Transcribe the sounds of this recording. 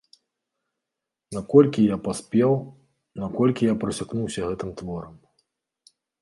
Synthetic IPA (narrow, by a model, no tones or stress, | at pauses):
nakɔlʲkʲijapasʲpʲɛw | nakɔlʲkʲijapɾɐsʲaknuwsʲɐɣɛt̪ɨmt̪vɔɾɐm